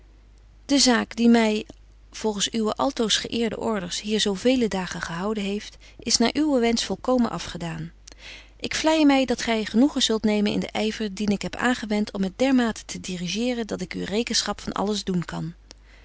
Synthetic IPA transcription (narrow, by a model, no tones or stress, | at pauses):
d̥əzaːkdimɛj | v̥ɔlˠχənsyʋəʔɑlˠtowsχə̰ʔɪːɹdə̰ʔɔɹdəɹsɦiːɹzowvejlədaːχəχəɦɑwdənɦejft | ʔɪsnaːɹʔyʋəʋɛnsfɔlˠkowmənʔɑfχədaːn | ʔɪkflɛjəmɛjdɑtχɛjχənuχəz̥ɵlˠtnejmənɪ̰ndə̰ʔɛjvəɹdinɪkɦɛpa̰ːnχəʋɛntʰɔmət̚dɛɹmaːtə̥tʰədiriʒɪːrəndɑtɪky̰rejkənsχɑpfɑnʔɑ̰ləzdunkɑn